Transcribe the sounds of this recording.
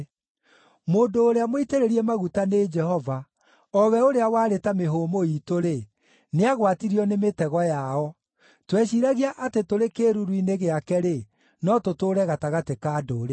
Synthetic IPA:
moːndoːɾeamoiteɾeɾiemaɣutaned͡ʒɛhɔva | ɔwɛoɾeawaːɾetameɦoːmoitoɾe | neaɣwatiɾiɔnemetɛɣɔjaɔ | twɛɕiɾaɣiaʔatetoɾekeːɾuɾwineɣeakɛɾe | nɔtotoːɾɛɣataɣatekaːdoːɾe

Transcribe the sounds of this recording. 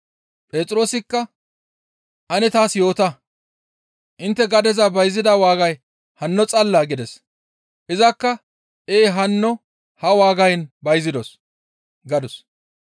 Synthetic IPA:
pʼe̞ːt͡sʼɾo̞ːsɪkːɐ | ʔɐnɛt̪aːsjo̞ːt̪ɐ | ʔɪnt̪ːɛɡɐd̪ɛzɐbɐjzɪd̪awaːɡɐj | hɐnːɔt͡sʼɐlːaːɡɪd̪ɛs | ʔɪzɐkːɐ | ʔeːɦɐnːɔ | hɐwaːɡɐjnbɐjzɪd̪ɔs | ɡɐd̪ʊs

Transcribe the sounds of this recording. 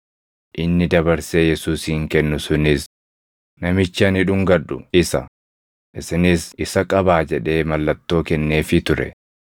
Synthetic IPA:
ʔɪnːɪd̪ɐbɐɾseːjɛsuːsiːŋkɛnːʊsʊnɪs | nɐmɪt͡ʃːɐnɪᶑʊŋɡɐᶑʊɪsɐ̰ | ʔɪsɪnɪsɪsɐkʼɐbaːd͡ʒɛᶑe̞ːmɐlːɐt̪ːo̞ːkɛnːe̞ːfɪt̪ʊɾɛ̰

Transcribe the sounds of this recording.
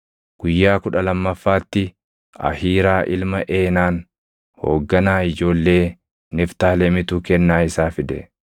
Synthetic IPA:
ɡ̥ʊjːaːkʊᶑɐlɐmːɐfːaːt̪ːɪ | ɐ̰hiːɾaːʔɪlmɐʔe̞ːnaːn | ho̞ːɡːɐnaːɪd͡ʒo̞ːlːe̞ː | nɪft̪aːlɛmɪt̪uːkɛnːaːɪsaːfɪd̪ɛ̰

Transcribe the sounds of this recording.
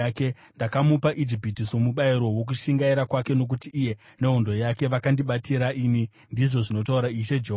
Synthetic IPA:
ke̞ | ndakamupaʔid͡ʒipitisomuɓaiɾo̞wok̬uʃiŋɡaiɾakwake̞no̞k̬utiʔːje̞ | ne̞ɦondo̞jake̞ʋakandiɓatiɾaʔini | ndiʐo̞ʐino̞tauɾaiʃe̞d͡ʒeɦo

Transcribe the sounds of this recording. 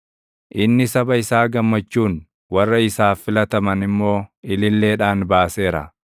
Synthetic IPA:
ʔɪnːɪsɐbɐɪsaːɡɐmːɐt͡ʃːuːn | wɐrːɐɪsaːfɪlɐt̪ɐmɐnɪmːo̞ːɪlɪlːe̞ːᶑaːnbaːse̞ːɾɐ̰

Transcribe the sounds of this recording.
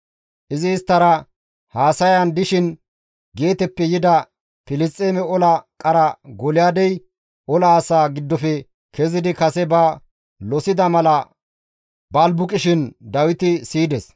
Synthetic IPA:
ʔɪzɪːst̪ːɐɾɐ | haːsɐjɐnd̪ɪʃɪn | ɡe̞ːt̪ɛpːɛjɪd̪ɐ | pɪlɪst͡sʼːeːmɛɔlɐkʼɐɾɐɡɔlɪjaːd̪ɛj | ɔlɐːsaːɡɪd̪ːɔfɛ | kɛzɪd̪ɪkɐsɛbɐ | lɔsɪd̪ɐmɐlɐ | bɐlbʊkʼɪʃɪnd̪ɐwɪt̪ɪsiːd̪ɛs

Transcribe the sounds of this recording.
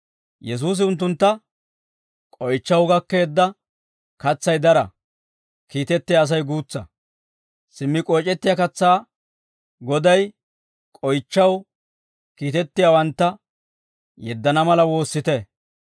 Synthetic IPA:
jɛs̬uːs̬ɪʊnt̪̬ːʊnt̪ːɐ | kʼɔjt͡ʃːɐwɡɐkːe̞ːd̪ːɐ | kɐt͡sːɐjd̪ɐɾɐ̰ | kiːt̪ɛt̪ːɪjaːs̬ɐjɡuːt͡sːɐ̰ | sɪmːɪkʼɔjt͡ʃʼɛt̪ːɪjakɐt͡sːaː | ɡɔd̪ɐj | kʼɔjt͡ʃːɐw | kiːt̪ɛt̪ːɪjawɐnt̪ːɐ | jɛd̪ːɐnɐmɐlɐwo̞ːsːɪt̪ɛ

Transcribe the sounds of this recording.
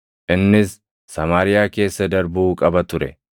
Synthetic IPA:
ʔɪnːɪsː | ɐmaːɾɪjaːke̞ːsːɐd̪ɐɾbuːkʼɐbɐt̪ʊɾɛ

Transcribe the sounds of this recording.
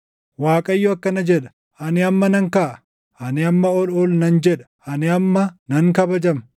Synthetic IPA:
waːkʼɐjːʊɐkːɐnɐd͡ʒɛᶑɐ̥ | ʔɐnɪɐmːɐnɐŋkaːʔɐ | ʔɐnɪɐmːɐɔlɔlnɐnd͡ʒɛᶑɐ̥ʔɐnɪɐmːɐnɐŋkɐbɐd͡ʒɐm

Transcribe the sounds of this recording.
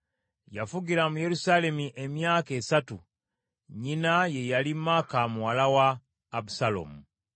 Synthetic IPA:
jafuɡiɾamuje̞ɾusaːle̞miʔe̞mjaːke̞ːsatu | ɲinaje̞jalimːaːkamuwalawaː | busalo̰mu

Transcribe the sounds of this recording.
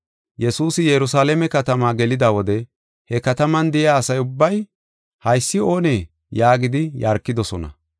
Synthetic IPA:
jɛsuːsɪjɛɾʊs̬aːlɛmɛkɐt̪ɐmaːɡɛlɪd̪aːwɔd̪ɛ | hɛkɐt̪ɐmɐnd̪ɪjaːɐsɐjʊbːɐj | hɐjsːɪo̞ːneː | jaːɡɪd̪ɪjaːɾkːɪd̪ɔsɔnɐ̰

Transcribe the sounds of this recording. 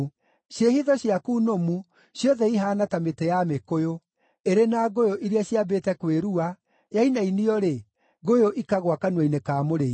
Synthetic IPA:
ɕjehiðɔɕjakunomu | ɕjɔðɛiɦaːnatametejamekojo | eɾenaɣojoʔiɾiaɕjabetɛkweɾua | jainainiɔɾe | ɣojoʔikaɣwakanwainekaːmoɾei

